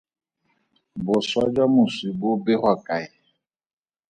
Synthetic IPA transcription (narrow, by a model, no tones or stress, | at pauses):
bʊswad͡ʒamusibobeɦwakaɪ